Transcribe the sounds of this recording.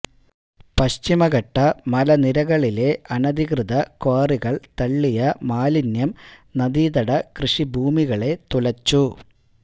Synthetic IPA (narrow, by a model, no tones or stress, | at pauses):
pɐɕt͡ɕimɐɣɐʈːɐmɐlɐniɾɐɣɐɭile̞ʔɐnɐd̪iɣrɨðɐkoːriɣɐɭt̪ɐɭːijɐmaːlinjɐmnɐd̪iːðɐɽɐkrɨʂibʱuːmiɣɐɭe̞t̪ulɐt͡ɕːu